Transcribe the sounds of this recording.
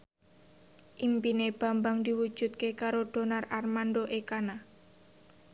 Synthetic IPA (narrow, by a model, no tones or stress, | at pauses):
ʔimpineb̥a̤mbaŋd̪iwu̥d͡ʒ̥ṳt̪̚kekaɾod̥o̤nararmandoʔekana